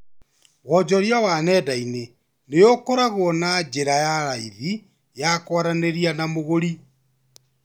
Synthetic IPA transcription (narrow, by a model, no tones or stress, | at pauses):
wɔd͡ʒɔɾjawanɛdaine | nejokoɾaɣonad͡ʒeɾajaɾaiði | jakwaɾaneɾianamoɣoɾi